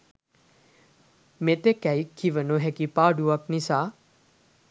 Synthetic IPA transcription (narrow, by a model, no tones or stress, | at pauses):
met̪ekɛjkʰːiʋənoɦɛkipaːɖuʋaknisaː